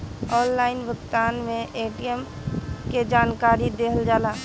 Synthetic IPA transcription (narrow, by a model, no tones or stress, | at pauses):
ɔːnlaːɪnʋəɡt̪aːnmẽʔeːʈijəm | ked͡ʒaːnkaːɾid̪eːɦəld͡ʒaːlaː